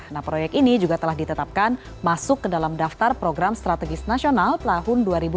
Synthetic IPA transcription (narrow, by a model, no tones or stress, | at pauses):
nahpɾojɛk̪̚inid͡ʒuɡat̪əlahdit̪ət̪ap̚kan | masʊkːədalamdaft̪arpɾoɡɾamst̪ɾat̪ɛɡɪsnasionalp̪əlaɦʊnduaɾibu